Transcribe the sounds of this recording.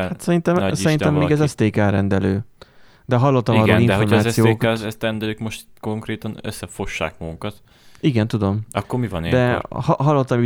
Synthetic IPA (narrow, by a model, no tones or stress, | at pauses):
hat̪sɛɾint̪ɛmsɛɾinɛmːeːɡɛzɛst̪eːkɛlɾɛnd̪ɛløː | d̪ɛɦɒlːo̞t̪ːɒmiɒɾɡoːnlind̪fɦoormaːsijoːkɛst̪ɛnd̪ɛløːkmoʃt̪ko̞ŋkreːt̪ɒnø̰sːɛfoʃːa̰ːkmɒɡuŋkɒt̪ | iɡɛnt̪ud̪o̞mɒkːoɾmivɒ̰ned̪ɛhɦɒlːot̪ːɒmi